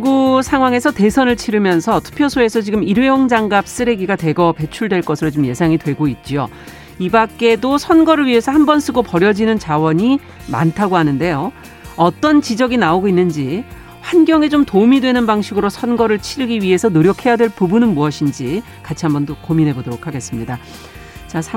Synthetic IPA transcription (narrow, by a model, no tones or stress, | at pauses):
ɡusʰaŋwaŋe̞sʰʌte̞sʰʌnɯɭt͡ɕʰiɾɯmjʌnsʰʌtʰu̥pʰjʌsʰoe̞sʰʌt͡ɕiɡɯmiɾweoŋd͡ʑaŋɡap̚s͈ɯɾe̞ɡiɡatwe̞ɡʌpe̞t͡ɕʰuɭdwe̞ɭk͈ʌsʰɯɾɭot͡ɕomje̞sʰaŋitwe̞ɡoit̚t͡ɕ͈io̰ | ibak͈e̞dosʰʌnɡʌɾɯɭɥiɦe̞sʰʌhambʌns͈ʰɯɡopʌɾjʌd͡ʑinɯnt͡ɕawʌɲi | ma̰ntʰaɡoɦanɯnde̞jo | ʌt͈ʌnt͡ɕid͡ʑʌɡinaoɡoinːɯnd͡ʑi | ɸwanɡjʌŋe̞t͡ɕomtomidwe̞nɯnbaŋɕʰiɡɯɾosʰʌnɡʌɾɯɭt͡ɕʰiɾɯɡiɥiɦe̞sʰʌnoɾjʌkʰe̞jadwe̞ɭpubunɯnmuʌɕʰind͡ʑi | kat͡ɕʰiɦambʌndokominɦe̞bodʌɾokʰaɡe̞s͈ɯmɲida | t͡ɕasʰa